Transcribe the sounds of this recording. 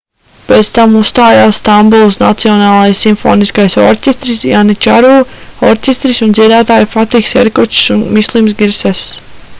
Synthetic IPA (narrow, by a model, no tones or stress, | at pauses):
peːt̪st̪amust̪aːjaːsːt̪ambulˠsna̰t̪siɔnaːlˠajsːimfo̰ːniskajsɔ̰ɾcʲest̪ɾisjanit͡ʃaɾuːɔɾcʲest̪ɾisund̪ziɛd̪aːt̪aːjfat̪iksɛ̰ɾkut͡ʃsunmislˠimsɡiɾsɛs